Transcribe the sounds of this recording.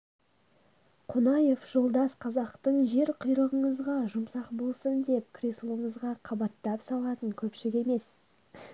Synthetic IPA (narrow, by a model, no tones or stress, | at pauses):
qʰonɑje̞fʒ̥o̞lˠd̪ɑsqʰɑzɑqt̪əɴʒe̞ɾqʰʊjɾəʁəɴəzʁɑʒʊmsɑqbo̞lˠsənd̪e̞p̚kʲʰrʲeslˠəɴəzʁɑqʰɑbɑt̪ːɑpsɑlˠɑt̪əɴkʲʰɵpʃɪɪkʲe̞me̞s